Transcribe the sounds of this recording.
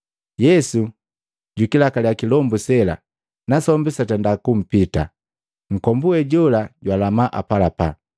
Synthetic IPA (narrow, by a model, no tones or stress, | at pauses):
jɛsu | ɟukilakaljakilɔmbusɛla̰ | nasɔmbisatandakum̩pita̰ | ŋ̩kɔmbuɛɟɔlaɟwalamaʔa̰palapa